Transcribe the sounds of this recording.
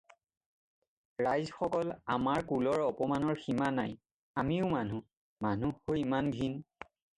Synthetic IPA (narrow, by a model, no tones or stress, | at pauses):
ɹajzxɔkɔlamaɹkulɔɹɔpɔmanɔɹximanaj | amiʊmanu | manuhojimanɡʱin